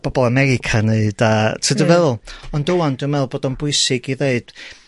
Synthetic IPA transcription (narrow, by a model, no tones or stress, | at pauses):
b̥ɔbɔlˠamɛɾɪkʰaneɨd̥atʰədəvɛðlˠɔndʊwandɪmɛlˠboːdɔnbʊɨsɪɡiðeɨd̥